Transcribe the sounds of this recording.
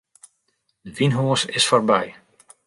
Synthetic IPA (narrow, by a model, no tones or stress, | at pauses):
dəʋinɦoːəsɪsfɔrbɛj